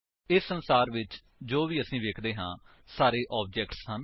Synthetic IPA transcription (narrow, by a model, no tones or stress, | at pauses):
ɪsːənsaːɾʋɪt͡ʃ | d͡ʒoːʋiːəsĩːʋeːkʰd̪eːɦãː | saːɾeːʔɔːp̚d͡ʒɛːkʈshən